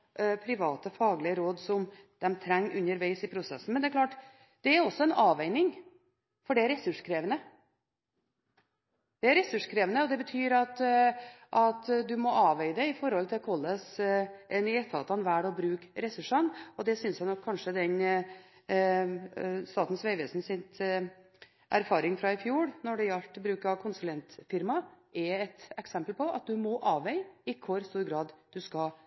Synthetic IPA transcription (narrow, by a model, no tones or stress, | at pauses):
pʰɾɪʋɑːt̪əfɑːɡlɪəɾoːd̪sɔm | d̪̥ɛmt̪ʰɾɛŋːʔʉnːəɾʋæɪsɪpʰɾʊsɛsːn̩mɛnd̪ɛæɾklɑːʈ | d̪̥ɛæɾɔsːɔɛnɑːʋæɪnɪŋ | fɔɖɛæɾɛsʉʂkʰɾeːʋənə | d̪̥ɛæɾɛsʉʂkʰɾeːʋənəɔd̪ɛbət̪ʰyːɾɑt̪ | ʔɑt̪d̪ʉmɔʔɑːʋæɪd̪ɛɪfɔɾhɔlt̪ʰɪlkʰɔlːəsʔɛnɛt̪ʰɑ̰ːt̪ɑnʋæːɖɔbɾʉːkɾɛsʉʂɑnɔd̪ɛsʏnsjæɪnɔkʰːɑnʂəd̪ɛn | st̪ɑːt̪n̩sʋæɪʋɛːsn̩sɪn | ʔæ̰ɾfɑːɾɪŋfɾɑɪfjuːɽnɔɖɛjælʈ̪ːbɾʉːkɑkʰʊnsʉlɛnt̪fɪɾmɑ | ɛɛt̪ɛksɛmpəlpʰɔɑ̰t̪̚d̪ʉmɔʔɑːʋɛɪɪkʰʊɾst̪uːɾɡɾɑːd̪d̪̥ʉskɑ